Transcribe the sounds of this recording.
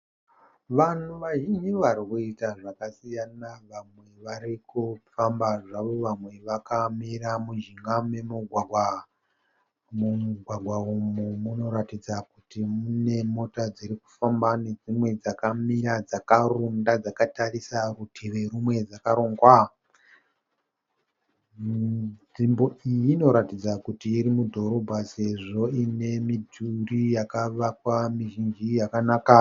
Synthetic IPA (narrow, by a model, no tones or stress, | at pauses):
ʋan̤uʋaʒiɲiʋaɾikuitaʐakasijanaʋamwe̞ʋaɾikufambaʐaʋo̞ʋamwe̞ʋakamiramuʒiŋɡame̞muɡʱwaɡʱwa | muɡʱwaɡʱwaumumuno̞ɾatid͡zakutimune̞mo̞tad͡ziɾiku̥fambane̞d͡zimwe̞d͡zakamiɾad͡zakarundad͡zakatarisarutʰeʋe̞ɾumwe̞d͡zakaɾo̞ːŋɡwa | ʐimbo̞ijino̞ɾatid͡zakutiːɾimudʱo̞ɾo̞bʱase̞ʐo̞ine̞midʱurijakaʋakwamiʒind͡ʒijakanaːka